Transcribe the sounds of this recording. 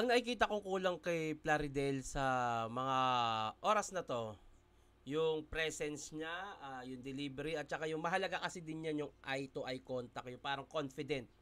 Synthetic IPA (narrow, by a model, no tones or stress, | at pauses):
ʔɐŋnɐkɪkiːt̪̬ɐkoŋkuːlɐŋkɐjplaɾɪd̪ɛlsɐmɐŋaʔo̞ːɾɐsnɐt̪o̞ | jʊŋpɾɛsɛnsɲaʔajʊŋd̪ɛliːbɛɾiɐt̪̚t͡ʃɐkajʊŋmɐɦɐlɐɡakɐsɪd̪ɪnjanjʊŋʔajt̪oʔɐjko̞nt̪ɐkjʊŋpaːɾɐŋko̞nfɪd̪ɛnt̪̚